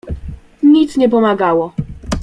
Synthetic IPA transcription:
ɲit̪sɲɛp̬ɔmaɡawɔ

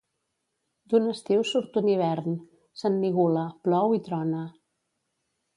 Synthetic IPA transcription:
d̪unəst̪iwsuɾt̪uniβ̞ɛɾn | sənːiɣuləplɔwit̪ɾɔnə

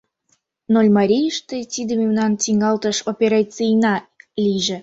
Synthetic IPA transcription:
nolʲmɑɾʲijəʃt̪ət̪ʲid̪əmʲewnɑntʲiŋɡɑlˠt̪ə̆ʃopʲeɾɑt͡sijnɑlʲijʒɘ̆

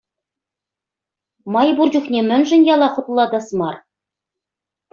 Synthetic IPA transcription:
mɑjburd͡ʑuχnʲemʲɘ̆nʒɘ̆njɑlˠɑχŏt̪lˠːɑd̪ɑsmɑr

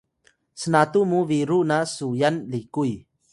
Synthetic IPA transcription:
sənat̪umuviɾunasujanlikuj

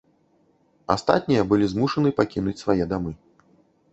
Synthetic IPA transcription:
ast̪a̰t̪ʲnʲijɐbɨlʲizmuʂɐnɨpakʲinut͡sʲsvajɛd̪amɨ

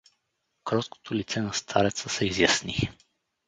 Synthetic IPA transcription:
kɾɔsko̥t̪ʰolit̪sɛnɐst̪ʰaɾɛt̪səsɛizjasni

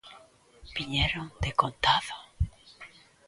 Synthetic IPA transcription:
biɲeɾõŋd̪ekont̪aðo̥

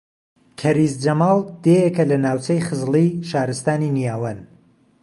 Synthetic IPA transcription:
kʰɐɾiːzd͡ʒɐmɑːlˠd̪̥eːjekɐlɐnaːwt͡ʃɐjχɨzliʃaːɾɨst̪aːninijaːwɐn

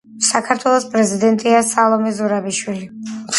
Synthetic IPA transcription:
sakʰaɾt̪ʰwɛlˠɔspʼɾɛzid̪ɛnt̪ʼiasalˠɔmɛzuɾabiʃwili

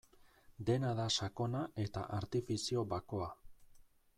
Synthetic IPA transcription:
d̪e̞naðasako̞naʔe̞t̪a̰ʔaɾt̪ifisio̞βako̞a

